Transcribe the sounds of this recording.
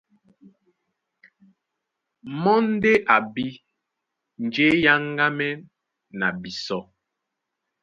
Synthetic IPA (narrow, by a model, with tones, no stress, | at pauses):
mɔ˦n˦de˦ʔa˨bi˦ | n˨d͡ʒe˦ja˦ŋɡa˦mɛ˦ | na˨bi˨sɔ˦